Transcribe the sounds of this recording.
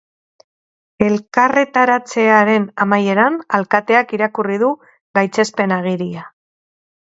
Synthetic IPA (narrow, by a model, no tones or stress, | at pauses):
e̞lkare̞t̪aɾat͡se̞aɾe̞namaje̞ɾanalkat̪e̞akiɾakurið̞u | ɣajt͡se̞spe̞naɣ̞iɾia